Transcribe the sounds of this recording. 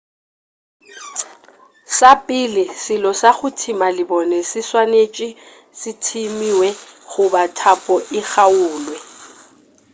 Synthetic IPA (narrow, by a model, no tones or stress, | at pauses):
sapʼɪlɪsɪlɔsaɣʊtʰimalɪbɔnɛsɪswanet͡ʃʼɪ | sɪtʰimiwɛɣʊbatʰapʼɔʔɪɣaʊːlwɛ